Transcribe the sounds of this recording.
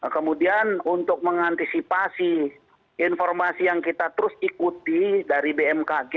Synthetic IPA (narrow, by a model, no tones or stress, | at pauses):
kəmudianunt̪ʊk̚məŋant̪isipasi | infɔrmasijaŋkit̪at̪əɾʊsikut̪idaɾibeɛmkaɡe